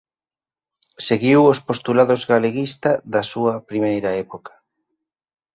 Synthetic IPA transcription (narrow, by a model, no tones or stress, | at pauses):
seɣiwospost̪ulaðozɣaleɣist̪ɐðɐsuɐpɾimejɾɐɛpokɐ̥